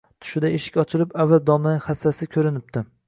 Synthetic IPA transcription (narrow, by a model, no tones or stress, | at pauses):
t̪ʰʊ̥ʃɪd̪aeʃɪ̥kʲɒt͡ʃʰɪlɪpavːald̪ɒmaχasːasɪkʲʰɵɾɪnɪp̚t̪ɪ